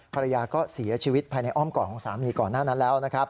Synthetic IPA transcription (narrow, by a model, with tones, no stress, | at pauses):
pʰa˧ɾa˧jaː˧kɔː˥˩si˩˦ɐt͡ɕʰiː˧wi˦˥t̪̚pʰaː˧jna˧jʔɔː˥˩mkɔː˨˩kʰɔː˩˦ŋsa̰ː˩˦miː˧kɔː˨˩nːaː˥˩na˦˥nlɛː˦˥wna˦˥kʰa˦˥p̚